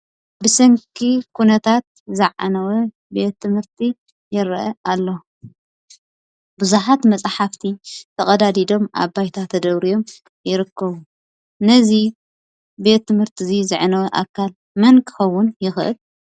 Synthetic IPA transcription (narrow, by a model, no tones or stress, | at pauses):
bɨsɐŋkʰikʰunɐt̪ʰat̪̚zɨʕa̰nɐwɐ | be̞t̪ʰːɨmhɨɾt̪ʰi | jɪɾʔɐʔalːo | bɨzuħat̪mɐt͡sʼħaft̪ʰit̪ʰɐkʼɐd̪ad̪id̪o̞mʔa̰βːajt̪ʰat̪ʰɐd̪ɐβɾijo̞m | jɪɾɨkʰːɐβu | nɐzi | be̞t̪ːɨmhɨɾt̪ʰizizɨʕnɐwɐʔa̰kʰːal | mɐnkʰɨ̥xɐwːʊnjɪxʔɨ̰l